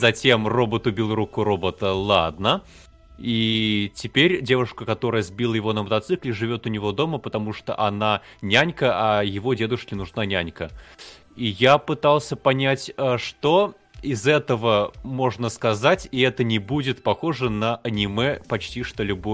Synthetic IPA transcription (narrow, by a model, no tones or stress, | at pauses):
zɐtʲe̞mro̞bət̪ʊbʲilˠrukʊɾo̞bət̪əlˠad̪nə | itʲɪpʲeɾʲdʲe̞vʊʂkəkɐt̪o̞ɾəjəzbʲilˠəjɪvo̞nəmət̪ɐt̪sɨklʲɪʐɨvʲo̞t̪ʊnʲɪvo̞d̪o̞məpət̪ɐmuʂt̪o̰ʔɐna | nʲænʲkəʔɐjɪvo̞dʲe̞d̪ʊʂkʲɪnʊʐnanʲænʲkə | ijapɨt̪alˠsʲəpɐnʲætʲəʂt̪o | ɪzɛt̪əvəmo̞ʐnəskɐzatʲiɛt̪ənʲɪbudʲɪt̪pɐxo̞ʐɨnəʔɐnʲɪmɛpɐt͡ɕtʲiʂt̪olʲʊbu